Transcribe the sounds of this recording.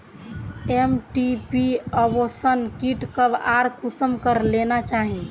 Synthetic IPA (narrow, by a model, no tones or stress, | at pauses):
emʈipiəbosənkiʈkəbaːɾkusəmkəɾlenat͡ʃaːɦĩ